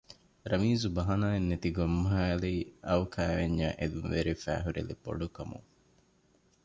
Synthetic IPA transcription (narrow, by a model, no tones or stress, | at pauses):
ɾɐmiːzubɐɦɐnaːenːet̪iɡomːɐɦaːlɐiɐwkʰæːʋeɲːaːʔed̪unʋeɾifæ̰ːɦuɾḛlebo̰ɖukɐmṵŋ